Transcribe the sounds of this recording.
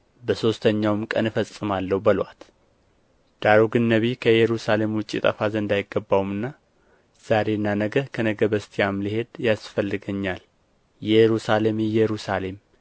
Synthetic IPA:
bəso̞st̪ʰəɲːawmkʼə̰nɨfəsʼːɨmalːəwbəlwat̪ | d̪̥aɾoɡɨnːəβikʰəjɛɾusale̞mwʊt͡ʃʼːḭt̪ʼə̰fazəɨnd̪ajɪɡːəbːawmɨnːa | z̥aɾe̞nːanəɡəkʰənəɡəbəst̪ʰijamlihe̞d̪jasfəlːɨɡəɲːal | jɛɾusalemjjɛɾusale̞m

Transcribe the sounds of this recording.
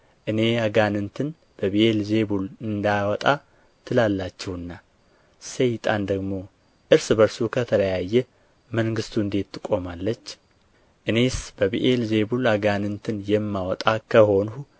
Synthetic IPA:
ʔɨne̞aɡanɨnt̪ʰɨn | b̥əβiʔelze̞bulɨnd̪awɔt̪ʼa | t̪ʰɨlalːat͡ʃːɛhɨnːa | sejt̪ʼand̪əɡmo̞ | ʔɨɾsɨbəɾsukʰət̪ʰələjajːɛ | məŋɡɨst̪ʰuɨnd̪e̞t̪ːɨkʼo̞malːət͡ʃː | ʔɨne̞sb̥əβiʔelze̞bulaɡanɨnt̪ʰɨnjɛmːawɔt̪ʼakʰəho̞nhu

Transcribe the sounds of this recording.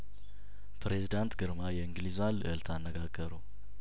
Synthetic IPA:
pʰɾe̞zid̪ant̪ɡɨɾmajɛɨŋɡlizalɨʔɨlt̪ʰanːəɡaɡːəɾu

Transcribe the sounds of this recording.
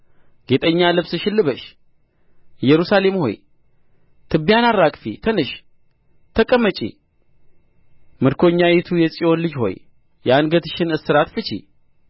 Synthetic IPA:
ɡet̪ʼəɲːalɨβsɨʃɪlːɨβəʃ | jɛɾusale̞mho̞̰j | t̪ʰɨbijanaɾːakʼfit̪ʰənɨʃ | t̪ʰəkʼəmːət͡ʃʼḭ | mɨɾkʰo̞ɲːajɛt̪ʰujɛsʼio̞nlɨd͡ʒho̞̰j | janɡət̪ʰɨʃɪnɨsɨɾat̪fɨt͡ʃḭ

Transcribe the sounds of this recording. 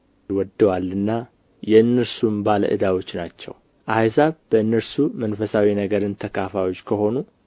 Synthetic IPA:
wɔd̪ːəwalːɨnːa | jɛɨnːɨɾsumbalə̰ʔɨd̪awo̞t͡ʃːnat͡ʃːɛ̰w | ʔajsaβb̥əɨnːəɾsumənfəsawinəɡəɾɨnt̪ʰəkʰafawo̞t͡ʃːkʰəho̞nu

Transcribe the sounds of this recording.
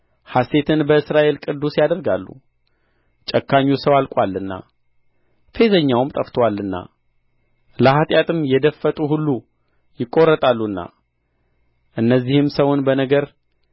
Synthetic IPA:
hase̞t̪ʰɨnbəɨsɾaʔe̞lkʼɨd̪ːusjad̪əɾɡalːṵ | t͡ʃʼəkʰːaɲːusəwalkʷʼwalːɨnːa̰ | fe̞zəɲːawʊmt̪ʼəft̪ʰəwalːɨnːa̰ | ləhat̪ʼjat̪ʼɨmjɛd̪əfət̪ʼuɦulːu | jɪkʼːoɾət̪ʼalːunːa̰ | ʔɨnːəzːihɨmsəwʊnbənəɡəɾ

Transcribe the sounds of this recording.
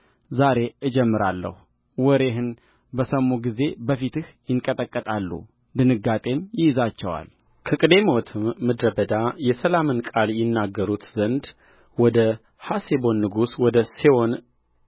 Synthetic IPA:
zaɾe̞ɨd͡ʒɛmːɨɾa̰lːə̰hu | wɔɾe̞ɦɨn | bəsəmuɡize̞bəfit̪ɨhjɪŋkʼət̪ʼəkʼːət̪ʼalːṵ | d̪ɨnɨɡːat̪ʼe̞mjɪjzat͡ʃːɛwa̰l | kʰəkʼɨd̪e̞mot̪ʰɨmːɨd̪ɾəbəd̪ajɛsəlamɨnkʼaljɪnːaɡːəɾut̪zənd̪ | wɔd̪ə | hasebo̞nːɨɡuswɔd̪əsewo̞n

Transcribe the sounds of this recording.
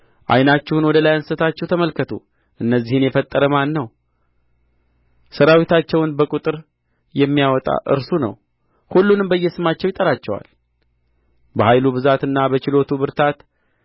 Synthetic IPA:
ʔa̰jnat͡ʃːɛhunwɔd̪əlajansət̪ʰat͡ʃːɛwt̪ʰəməlkʰət̪ʰṵ | ʔɨnːəzːihɨnjɛfət̪ʼːəɾəmanːəw | səɾawit̪ʰat͡ʃːɛwnbəkʼut̪ʼɨɾ | jɛmːijawɔt̪ʼa̰ʔɨ̰ɾsunə̰w | hulːunɨmbəjːɛsɨmat͡ʃːɛwjɪt̪ʼəɾat͡ʃːɛwa̰l | bəhajluβɨzat̪ɨnːabət͡ʃɪlo̞t̪ʰubɨɾt̪ʰat̪

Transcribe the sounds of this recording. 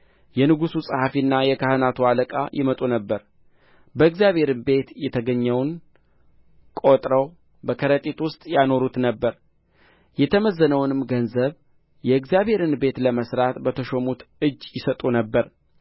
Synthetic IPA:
jɛnɨɡususʼhafinːajɛkʰahɨnat̪ʰualəkʼa̰jʔɪmət̪ʼunəbːəɾ | bəɨɡzijaβhe̞ɾɨnbe̞t̪jɛt̪ʰəɡəɲːɛwn | kʼo̞t̪ʼɾəw | bəkʰəɾət̪ʼit̪wʊst̪ʼjano̞ɾut̪nəbːəɾ | jɛt̪ʰəməzːənəwnɨmɡənzəβ | jɛɨɡzijaβhe̞ɾɨnbe̞t̪ləməsɾat̪bət̪ʰəʃomut̪ɨd͡ʒːjɪsət̪ʼunəbːəɾ

